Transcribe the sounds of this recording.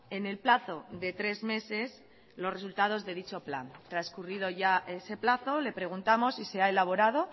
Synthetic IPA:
e̞ne̞lplaθo̞ðe̞t̪ɾe̞zme̞se̞s | lo̞sre̞sult̪að̞o̞zðe̞ð̞it͡ʃo̞pla̰nt̪ɾaskuriðo̞ʝaʔe̞se̞plaθo̞le̞pɾe̞ɣ̞unt̪amo̞sise̞ae̞laβ̞o̞ɾað̞o̞

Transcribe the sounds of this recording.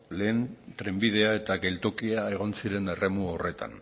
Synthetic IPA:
le̞ːnt̪ɾe̞mbið̞e̞ae̞t̪aɣe̞lt̪okiae̞ɣ̞o̞nsiɾe̞ne̞re̞muore̞t̪a̰n

